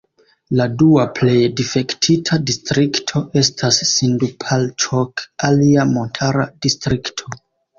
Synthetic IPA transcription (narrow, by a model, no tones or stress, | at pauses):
laduaple̞jdife̞ktʰitʰadistɾiktʰo̞ʔe̞stʰasːindupʰalt͡ʃokaliamo̞ntʰaɾadistɾiktʰo̞